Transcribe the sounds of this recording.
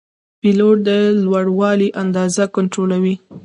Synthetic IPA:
piloʈ̚d̪əlwaɽwɑliʔand̪ɑzakʊɳʈɾolawi

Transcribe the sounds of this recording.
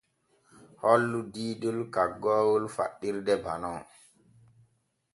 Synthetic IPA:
hɔlːudiːdulkaɡːɔːwulfa̰ɗːiɾdɛba̰nɔ

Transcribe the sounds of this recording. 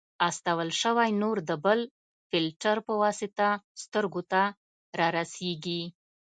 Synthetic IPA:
ast̪awəlʃəwajnoɾd̪əbəl | fɪlʈaɾpəwɑsɪt̪ast̪əɾɡot̪a | ɾɑɾaseɡi

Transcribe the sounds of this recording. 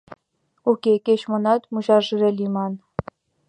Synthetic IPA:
ukʲekʲeɕmɤ̆nɑt̪muʑɑʐɯrʲelʲimɑn

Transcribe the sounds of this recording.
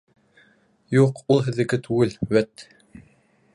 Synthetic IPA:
juqulˠɦɘ̆ðɘ̆ɡɘt̪ʰʉɡɘlwæt̪

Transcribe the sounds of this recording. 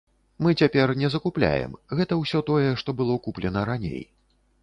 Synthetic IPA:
mɨt͡sʲapʲɛrnʲɛzɐkuplʲa̰jɛ̰mɣɛt̪ɐwsʲɔt̪ɔjɛʂt̪ɔbɨlˠɔkuplʲɛnɐɾanʲḛj

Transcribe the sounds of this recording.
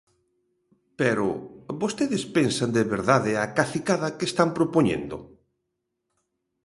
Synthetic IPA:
pɛɾʊ̰βost̪eðɪspensand̪eβeɾðaðɪakaθikaðɐkest̪ampɾopoɲḛnd̪ʊ̰

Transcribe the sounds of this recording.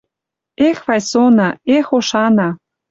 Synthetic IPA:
exβɑjsonɑexoʃɑnɑ

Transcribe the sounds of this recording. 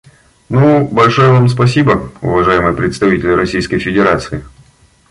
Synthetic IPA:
nubɐlʲʂojəvamspɐs̬ʲibəʊ̰vɐʐajɪmɨjpɾʲɪt̪st̪ɐvʲitʲɪlʲɪɾʔɐsʲijskəjfʲɪdʲɪɾat̪sɨɪ

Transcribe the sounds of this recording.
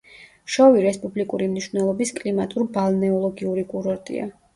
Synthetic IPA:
ʃɔviɾɛspʼublikʼuɾimniʃvnɛlˠɔbiskʼlimat̪ʼuɾbalˠnɛɔlˠɔɡiuɾikʼuɾɔɾt̪ʼḭa̰

